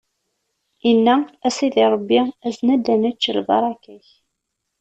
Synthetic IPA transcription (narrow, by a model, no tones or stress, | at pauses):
inːææsiðiɾˤəbːiæznæd̪ænæt͡ʃːəlbɑ̰ɾˤɑkæç